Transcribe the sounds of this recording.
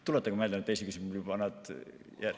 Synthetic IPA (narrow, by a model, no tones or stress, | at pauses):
t̪ulet̪ːˑɑkmelɑnet̪ːejsekysimljubɑnɑd̪̥jæ